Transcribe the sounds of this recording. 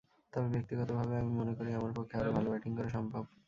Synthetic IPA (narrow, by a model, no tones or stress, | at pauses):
t̪ɔbebek̚t̪iɡɔt̪obʱabeamimonekoɾiamaɾpokʰːeaɾobʱalobaʈiŋkoɾeʃɔmbʱab